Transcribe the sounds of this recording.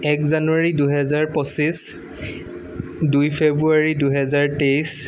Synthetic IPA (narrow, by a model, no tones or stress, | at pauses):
ɛkzanuaɹiduɦɛzaɹpɔsis | dujpʰebɹuaɹiduɦɛzaɹtejs